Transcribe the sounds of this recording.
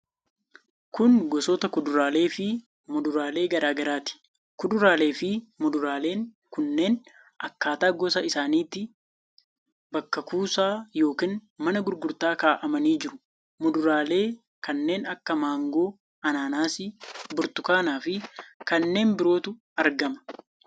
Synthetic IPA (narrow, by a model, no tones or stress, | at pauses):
kʊŋɡɔsɔːt̪ɐkʊd̪ʊɾaːle̞ːfɪ | mʊd̪ʊɾaːle̞ːɡɐɾaːɡɐɾaːt̪ɪ̥ | kʊd̪ʊɾaːle̞ːfɪmʊd̪ʊɾaːle̞ːŋ | kʊnːe̞ːn | ʔɐkːaːt̪aːɡɔsɐɪsaːniːt̪ːɪ | bɐkːɐkuːsaːjo̞ːkiːnmɐnɐɡʊɾɡʊɾt̪aːkaːʔɐmɐniːd͡ʒɪɾʊ | mʊd̪ʊɾaːle̞ː | kɐnːe̞ːnɐkːɐmaːŋɡo̞ː | ɐnaːnaːsɪbʊɾt̪ʊkaːnaːfɪkɐnːe̞ːnbɪɾo̞ːt̪ʊ | ɐɾɡɐmɐ̥